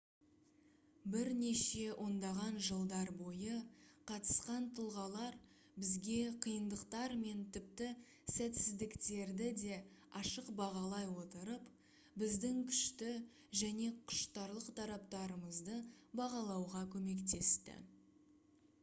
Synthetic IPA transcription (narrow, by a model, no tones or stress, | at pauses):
bɪɾne̞ʃe̞ʔo̞nd̪ɑʁɑnʒəlˠd̪ɑɾbo̞jəqʰɑt̪ə̥sqɑnt̪ʰəlˠʁɑlˠɑɾ | bɪzɡʲe̞qʰəjənd̪əqt̪ɑɾme̞nt̪ʰɪp̚t̪ɪ | sæt̪sɪzd̪ɪkt̪e̞ɾd̪ɪd̪e̞ | ɑʃəqbɑʁɑlˠɑjwo̞t̪əɾəp | bɪzd̪ɪŋkʲʰʏ̥ʃt̪ɪ | ʒæne̞qʰʊ̥ʃt̪ɑɾlˠəqt̪ʰɑɾɑp̚t̪ɑɾəməzd̪əbɑʁɑlˠɑwʁɑkʲʰɵme̞kt̪e̞st̪ɪ̰